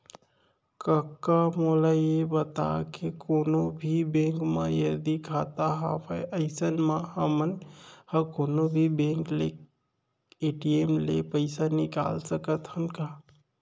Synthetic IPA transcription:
kəkːamolaiebət̪a̰kekonobʱibẽŋkma̰jəd̪ikʰat̪aɦa̰pʰəʔəɪsənmahəmənhəkonobʱibẽŋklḛ | eʈiemlḛpəɪsanika̰lsəkət̪hənka

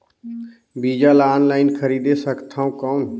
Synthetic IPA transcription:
biːd͡ʒalaaːnlaːɪnkʰəɾiːd̪esəkt̪ʰãːũkaʊn

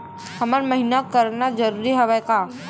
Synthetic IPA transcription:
hɐmaɾmɐɦinakəɾnad͡ʒɐɾuːɾiɦɛʋɛka

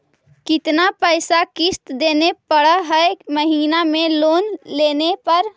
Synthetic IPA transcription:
kɪt̪napəɪsakɪst̪d̪eːnepəɽəɦəeməɦiːnamẽloːnleːnepəɾ

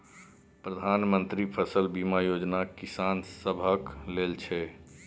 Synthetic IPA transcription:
pɾəd̪ʱanmənt̪ɾipʰəsəlbimajod͡ʒnakisansəbʱəklelt͡ʃʰɛ

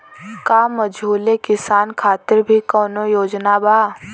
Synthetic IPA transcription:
kaːməd͡ʒʱuːlekɪsaːnkʰaːt̪ɪɾbʱikɔːnojoːd͡ʒnabaː

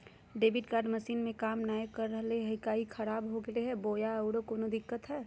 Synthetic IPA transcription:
ɖeːbʱɪɖkaːɾɖməsiːnmẽkaːmnaːjəkːəɾːəɦleɦəɪkaːikʰəɾaːbɦoɡeleɦɛboːjaəʊɽokoːnod̪ɪkːət̪ɦɛː

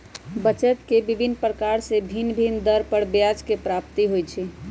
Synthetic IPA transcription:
bət͡ʃət̪kebibʱinːpɾəkaɾsebʱinbʱind̪əɾpəɾbjad͡ʒkepɾap̚t̪iɦojt͡ʃʰɛ

